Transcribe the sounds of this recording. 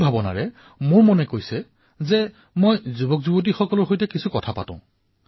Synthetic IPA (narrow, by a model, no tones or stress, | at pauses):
bʱabɔna̰ɹɛ | mʊɹmɔnɛkojsɛ | zɛ | mojzubɔkzubot̬ixɔkɔlɔɹxojtɛkisʰukɔtʰapa̰tʊ̰̃ʊ̃